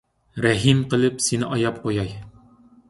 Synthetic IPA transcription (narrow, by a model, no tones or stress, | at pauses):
ɾæɦimqə̆lˠɘpsinɪʔɒjɑp̚qojɑj